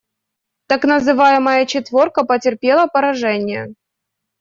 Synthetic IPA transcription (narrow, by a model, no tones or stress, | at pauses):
t̪aknəzɨvajɪməjət͡ɕɪt̪vʲo̞rkəpətʲɪrpʲelˠəpɐɾɐʐɛnʲɪjə̰